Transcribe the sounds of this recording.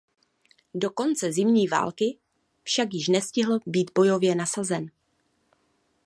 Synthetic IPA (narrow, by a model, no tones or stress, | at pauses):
do̞ko̞nt͡sɛzɪmɲiːva̰ːlkɪ | fʃakjɪʃnɛscɪɦl̩biːd̪bo̞jo̞vjɛnasazɛn